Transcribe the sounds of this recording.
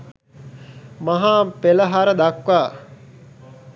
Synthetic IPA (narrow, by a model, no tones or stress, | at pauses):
mɐɦaːpeləɦaɾəd̪akʋaː